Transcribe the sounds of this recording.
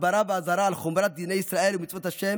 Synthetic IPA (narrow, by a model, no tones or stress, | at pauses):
baɾabeazaɾaːlχomɾat̪̚d̪inejisɾae̞lumitt͡svot̪haʃem